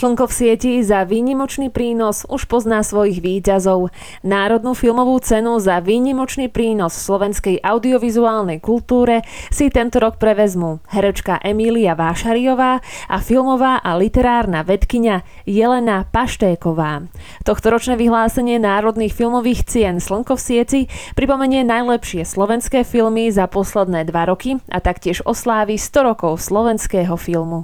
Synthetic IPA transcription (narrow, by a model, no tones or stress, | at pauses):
t͡ʃləŋkɔfsɪɛcizaʋiːɲimɔt͡ʃniːpɾiːnɔzuʃpɔznaːsʋɔjiɣʋiːcazɔʊ | naːɾɔd̪nufilmɔʋuːt͡sɛnuzaʋiːɲimɔt͡ʃniːpɾiːnɔsfslɔʋɛnskɛjʔaʊd̪iɔʋizuaːlnɛjkult̪uːɾɛsit̪ɛnt̪ɔɾɔk̚pɾɛʋɛzmuɦɛɾɛt͡ʃkaʔɛmiliaʋaʃaɾiɔʋaːʔafilmɔʋaːʔalit̪ɛɾaːɾnaʋɛt̪kiɲa | jɛlɛnapaʃt̪ɛːkɔʋaː | t̪ɔxt̪ɔɾɔt͡ʃnɛːʋiɦlaːsɛɲɪɛnaːɾɔd̪niːxfilmɔʋiːxt͡sɪɛnsləŋkɔfsɪɛt͡sipɾipɔmɛɲɪɛnajlɛpʃɪɛslɔʋɛnskɛːfilmizapɔslɛd̪nɛːd̪ʋaɾɔkiʔa̰t̪akcɪɛʒɔslaːʋist̪ɔɾɔkɔʊslɔʋɛnskɛːɦɔfilmu